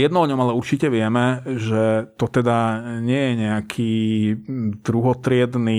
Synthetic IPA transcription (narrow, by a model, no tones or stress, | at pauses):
jɛd̪nɔɔɲɔmalɛuɾt͡ʃicɛʋɪɛmɛʒɛt̪ɔt̪ɛd̪aɲɪɛjɛɲɛakʰiː | d̪̥ɾuɦɔt̪ɾɪɛd̪ni